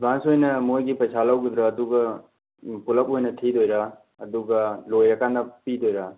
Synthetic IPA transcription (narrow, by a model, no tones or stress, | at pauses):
bãnsojnɐmojɡipɐjt͡ʃʰalawɡud̪ɾaːd̪uɡɐ | pulɐk̚ɦojnɐt̪ʰid̪ojɾa | ɐd̪uɡɐlojɐkandapid̪ojɾa